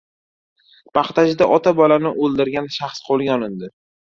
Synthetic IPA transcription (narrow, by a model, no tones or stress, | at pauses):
pɑχt̪ad͡ʒɪd̪aʔɒt̪ʰabɒlanɪʔolˠd̪ɪɾɡʲanʃaχsqʰolˠɡʲaɒnɪnd̪ɪ